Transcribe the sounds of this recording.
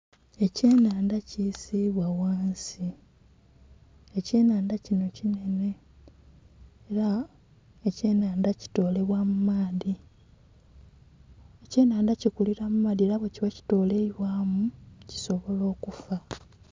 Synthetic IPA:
e̞ce̞ːnaːndacisiβwawaːnsi | ece̞ːnaːndacino̞cine̞ne̞ | ɾa | ece̞ːnaːndaci̥to̞ːle̞βwamumaːði | ece̞ːnaːndacikuliɾamumaːðieɾaβwe̞ciwaci̥to̞ːle̞iβwaːmuci̥so̞βo̞lo̞ːkufa

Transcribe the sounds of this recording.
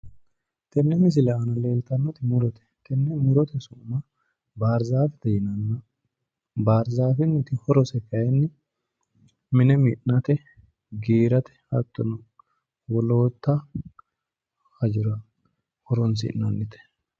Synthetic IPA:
t̪ɛnːɛmɪs̬ɪlɛɐnɐle̞ːlt̪ɐnːɔt̪ɪmʊɾɔt̪ɛ̥t̪ɛnːɛmʊɾɔt̪ɛsʊmɐ | baːɾzaːfɪt̪ɛjɪnɐnːɐ | baːɾzaːfɪnːɪt̪ɪhɔɾɔsɛkɐjɛnːɪ | mɪnɛmɪnnɐt̪ɛ | ɡiːɾɐt̪ɛ̥ɐt̪ːɔnɐ | wɔlo̞ːt̪ːɐ | hɐd͡ʒɪɾɐ | hɔɾɔns̬ɪ̰nnːɐnːɪt̪ɛ̥

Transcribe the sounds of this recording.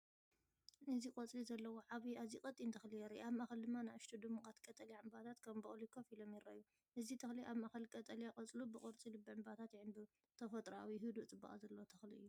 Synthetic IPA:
ʔɨzikʼɔt͡sʼlizɐlːɐwo̞ʕaβiazikʼɐt͡s̪ʼːint̪ʰɐxlijɛɾiʔiaβmaxɐld̪ɨmːanajɨʃt̪ʰud̪ɨmukʼat̪kʼɐt̪ʼɐlijaʕɨmbat̪ʰat̪kʰɐmbɨxʼlikʰɐfilomjɪɾːɐ̰ʔju | ʔɨzit̪ʰɐxliʔaβmaxɐlkʼɐt̪ʼɐlijakʼɐt͡sʼlubɨkʼɔɾt͡sʼilɨbɨʕɨmbat̪ʰat̪jɪʕɨnbɨ | t̪ʰɐfɐt̪ʼɾawiɦɨd̪ut͡sʼɨba̰ʔʼa̰zɐlːɐwot̪ʰɐxliɨjːu

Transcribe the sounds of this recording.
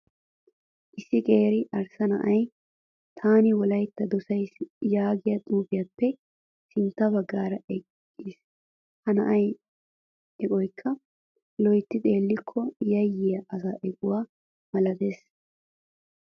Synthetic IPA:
ʔɪsːɪkʼe̞ːɾɪʔɐɾsɐnɐ̰ʔɐj | t̪ʰaːnɪwɔlɐjt̪ːɐd̪ɔsɐjsjaːɡɪjɐt̪ʼuːbɪjapːɛ | sɪnt̪ːɐbɐɡːaːɾɐʔɛkːis | hɐnɐʔɐj | ɛkʼɔjkʰːɐ | lɔjt̪ːɪt̪ʼe̞ːlːɪkʰːɔjɐjːɪjɐʔɐsaːʔɛkʼʊwaː | mɐlɐd̪e̞ːs

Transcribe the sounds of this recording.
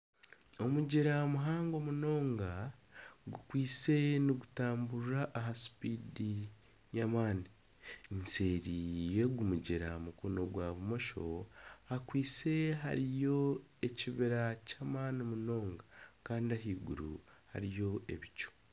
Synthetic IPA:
o̞muɟiɾamuɦaːŋɡo̞muno̞ːŋɡa | ɡukwiːt͡se̞niɡutaːmbuɾaʔːɦasi̥piːdi | ɲamaːni | nseːɾije̞ɡumuɟiɾamukono̞ɡwaβumo̞ʃo̞̰akwiːse̞ɦa̰ɾijo̞e̞ciβiɾacamaːnimuno̞ːŋɡakaːndiaɦiːɡṵɾṵha̰ɾijo̞e̞βico̥

